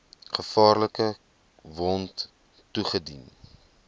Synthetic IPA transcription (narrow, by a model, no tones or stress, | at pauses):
χəfɑːrləkə | vɔnt | tuχədḭn